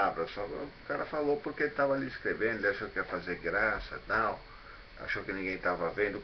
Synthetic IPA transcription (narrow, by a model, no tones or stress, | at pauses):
avɾɐsɔkkaɾɐfalowpoɾkɪelɪt̪avɐaliiskɾevẽnd̪eliaʃowkɛɾfazeɾɡɾasɐt̪aw | a̰ʃowkɪnĩŋɡẽj̃t̪avɐvẽnd̪ʊ